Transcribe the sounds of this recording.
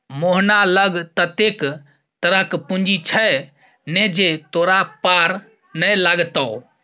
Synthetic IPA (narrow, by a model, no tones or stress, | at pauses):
moɦnaləɡt̪ət̪ek | t̪əɾəkpund͡ʒit͡ʃʰə | ned͡ʒet̪oɾapaɾ | nəjlaɡt̪əʊ